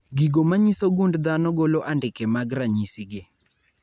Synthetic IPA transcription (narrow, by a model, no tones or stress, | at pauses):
ɡiɡomaɲisoɡundd̪anɔɡoloʔandɪkɛmaɡɾaɲisɪɡɪ